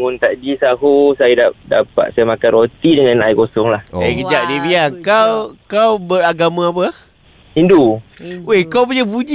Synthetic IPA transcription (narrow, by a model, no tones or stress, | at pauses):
ŋʊnt̪aʔdisaɦusajadada̰pa̰ʔ̪sajamakanrot̪idəŋanaikosɔŋlahekəd͡ʒaʔ̚dibiaŋkawkawbəɾaɡamãap̬ə | induehkawpuɲabud͡ʒi